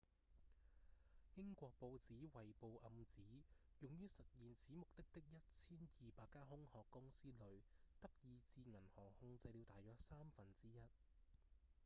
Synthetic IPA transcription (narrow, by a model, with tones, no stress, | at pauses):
jɪ˥ŋkʷɔː˧k̚po˧wt͡siː˨˥wɐ˨jpo˧wʔɐ˨˧mt͡siː˨˥ | jʊ˨ŋjyː˥sɐ˨t̚jiː˨nsiː˨˥mʊ˨k̚t̪ɪ˥k̚t̪ɪ˥k̚jɐ˥t̚t͡sʰiː˥njiː˨paː˧kːaː˥ɦʊ˥ŋhɔː˨˧kːʊ˥ŋsiː˥lɵ˨ɥt̪ɐ˥p̚jiː˨˧t͡siː˧ŋɐ˨˩nhɔː˨˩ŋhʊ˧ŋt͡sɐ˧jliː˨˧wt̪aː˨˩jɔː˨˥k̚saː˥mfɐ˨nt͡siː˥jɐ˥t̚